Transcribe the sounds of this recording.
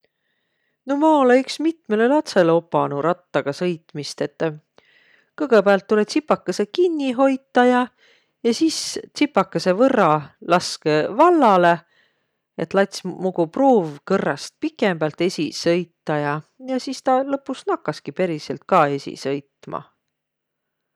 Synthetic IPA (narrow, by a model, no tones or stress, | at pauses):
no̞mɑoleyksmit̪me̞le̞lɑt̪se̞leo̞pːˑɑnuɾɑt̪ːɑɡ̥ɑsɤjt̪ˑmist̪e̞t̪ːˑ | kɤɡ̥epæɑlt̪ːule̞t̪sipːˑɑkːɑse̞kinʲːiɦo̞jt̪ːˑɑjɑ | jɑsiːst̪sipːɑkːɑse̞vɤrːɑlɑskevɑlːɑle̞ | et̪ːlɑt̪ʲsmuɡ̥upruːvkɤrːɑst̪̚pikːˑemb̥ælt̪ːe̞sʲisɤ̞jt̪ːɑjɑjɑsist̪ɑlɤpːˑusnɑkːɑskipe̞ɾiselt̪̚kɑe̞sʲḭsɤ̞jt̪ːˑmɑ̰